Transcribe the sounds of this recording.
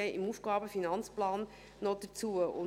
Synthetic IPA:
ɛʔɪmuːfɡ̥ɑːbəfinɑnt͡splɑːnː | ɔd̥ət͡suːəʊ̰

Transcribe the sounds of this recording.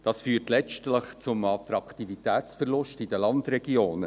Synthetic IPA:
d̥ɑsfyːərtlɛt͡ʃtləχt͡sʊmɑtɾɑkʰtivitɛːt͡sfərlʊʃtidəlɑndɾɛɡ̥ioːnə

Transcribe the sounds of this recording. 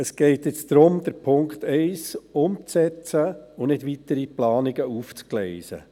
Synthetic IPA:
əsɡ̥ɛɪtjɪt͡sd̪ɾʊmd̥̪əɾpʰʊŋkt̪ɛɪsʊmt͡sɛt͡səʊnɪdʋit̪əɾiplɑːnɪɡəuːft͡sklɛɪsə̰

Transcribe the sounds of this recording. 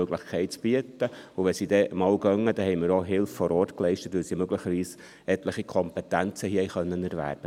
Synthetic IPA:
øɡləχkʰɛɪt̚t͡sb̥iətəʊʋɛsidɛʔmɑːlɡœŋːəd̥ɛhɛɪməɾoɦɪlffɔɾɔːrtklɛɪʃtətʋɪsimøɡlɪχəɾʋiːs | ɛtləχikʰɔmpɛtænt͡səhiəɛɪχœnːənɛɾvæ̰ːɾb̥ə

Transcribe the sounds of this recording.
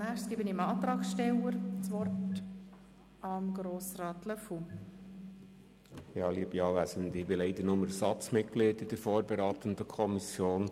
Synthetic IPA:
næːχsɡ̥ibəniəmɑːt̪ɾɑːksʃtɛləɾt͡sʋɔrt | ɑmɡ̥ɾoːsrɑːt̪ləfu | jɑːliəbiɑːʋæsənd̪ɪbɪlɛɪd̪ənʊməɾsɑt͡smɪt̚klɪtɪd̥əɾfoːɾbɛɾɑːt̪ənd̪əkʰɔmisjoːn

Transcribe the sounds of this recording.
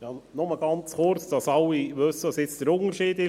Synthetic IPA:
jɑnɔməɡ̥ɑnt͡sχʊɾt͡sd̥ɑsɑlːiʋɵsːəʋɑsɪt͡sd̪̥əɾʊŋəɾʃiːd̪ɪ

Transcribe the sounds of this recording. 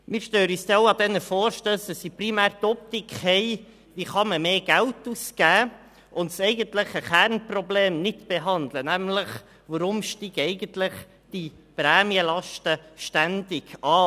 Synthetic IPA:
mɪːɾʃtøːɾyːsdɛoʊɑdɛnəfɔːɾʃtøːsdəsiprimæːɾt̪ɔp̚tɪkhɛɪ | ʋiːχɑməmeːɡ̥æltuːsɡ̥æː | ʔʊntsɛɪɡəntlɪχəχæɾnprɔbleːmnɪtb̥eɦɑnd̪lənæmləχ | ʋəɾʊmʃtiɡ̥ɛɪɡəntlɪχ | d̥i | prɛːmiəlɑʃtəʃtændɪɡɑː

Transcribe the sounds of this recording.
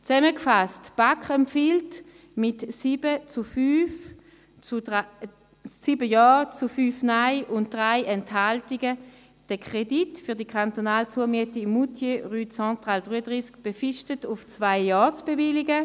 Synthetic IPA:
t͡sɛməkfastb̥akχɛmpfilt | mɪtsib̥ət͡sufyːf | ssiːbəjɔːt͡sufyːfnaɪʔʊnt̚d̥ʁaɪʔɛnthaltiɡə | d̥əkʰʁ̥editfyɐdikʰχantonaːlt͡suəmiətimːutʰjeʁyːt͡sɑ̃tʁaːldʁyːədʁiskb̥efɪʃtətʊft͡svaɪjɔːt͡sb̥evɪlɪɡə

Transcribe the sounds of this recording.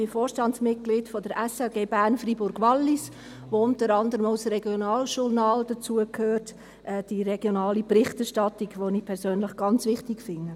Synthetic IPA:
b̥ɪfoːɾʃtɑntt͡ssmɪt̚ɡ̥liːdfod̥əɾʔɛsɛʊɡeːbæɾnfribʊɾɡ̥ʋɑlːis | ʋoʊntəɾɑndəɾəmaʊsrɛɡjonɑːlʃʊɾnɑːld̥ət͡suəkʰhøːɾt | ʔɛːd̥iɾɛɡ̥jonɑːliprɪχtɛɾʃtɑtiɡʋoniːpʰɛɾsøːnləχɡ̥ɑnt͡sʋɪχtɪkfɪŋə

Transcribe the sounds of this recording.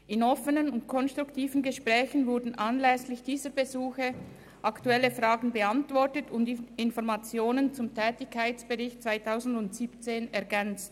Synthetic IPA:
ɪnɔfənənʊntkʰɔnst̪ʁ̥uktʰiːvən̩ɡəʃpʁɛːçən̩vʊɐdn̩ʔanlɛslɪçd̥iːzəbezuːxə | ʔɑktuɛləfʁaːɡn̩bəantv̥ɔtətʰʊndɪnfɔɾmat͡sjoːnənt͡sʊmtʰɛːtɪçkʰːaɪt͡sb̥əʁɪçt̚t͡sv̥aɪtʰaʊzn̩dʊntsiːpt͡seːnɛɐɡɛnt͡st

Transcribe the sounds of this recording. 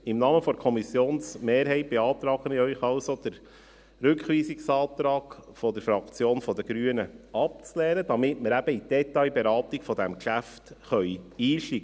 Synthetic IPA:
ɪmnɑːməfɔɾkʰɔmisjoːnsmeːɾɦɛɪt̚b̥eɑːt̪ɾɑːɡ̥ənɪœʏχɑwsod̥̪əɾ | ɾʉkχʋiːsiksɑːt̪ɾɑːɡ̥fɔd̥̪əɾfɾɑkt͡sjoːnfɔd̪əɡ̥ɾyːənəɑp̚t͡slɛːɾəd̥ɑmɪtməɾæb̥əid̥ɛt̪ɑjbeɾɑːtiɡfɔd̥̪æmkʃæftχœʏiːʃliɡə

